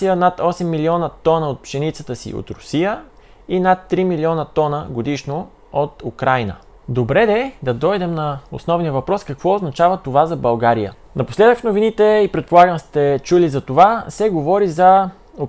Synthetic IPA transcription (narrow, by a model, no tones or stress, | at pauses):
sijənat̪ɔsɛmːiliɔnət̪ɔnəot̪̚pʃɛnit̪sət̪əsḭʔo̰t̪ɾʊsijə | inat̪ːɾimiliɔnət̪ɔnəɡod̪iʃno | ot̪ukɾajnə̰ | d̪obɾɛd̪ɛd̪ɐd̪ɔjd̪ɛmnɐo̰snɔvnijəvɐpɾɔskɐkvɔoznɐt͡ʃavət̪ovazɐbɐlˠɡaɾijə̰ | nɐposlɛd̪əkfnovinit̪ɛipɾɛt̪̚polˠaɡəmst̪ɛt͡ʃulizɐt̪ovasɛɡovɔɾizɐ | o